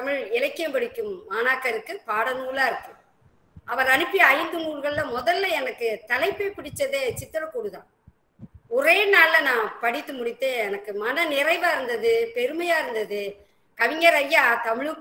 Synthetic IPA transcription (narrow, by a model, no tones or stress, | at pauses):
t̪ɐmɪɻɪlɐkːɪjɐmpɐɽɪkːɯmːaːnaːkːɐɾɯkːɯpaːɽɐnuːɭaːɪɾɯkːɯm | ʔɐʋɐɾɐnɯpːiɐjɪnd̪ɯnuːɭɣɐɭɪlɐmɔðɐlːɐɛnɐkːɯt̪ɐlɐɪpːɐpɪɽɪt͡ʃːɐðet͡ʃɪt̪ːɯɾɐkːuːɽɯðãː | ɔreːnaːllɐnãːpɐɽɪt̪ːɯmʊɽɪt̪ːeːɛnɐkːɯmɐnɐnɪrɐɪʋaːɪɾɯnd̪ɐðɯpɛɾɯmɐjaːɪɾɯnd̪ɐðɯ | kɐʋɪŋɡɐɾɐjːaːt̪ɐmɪɻɯ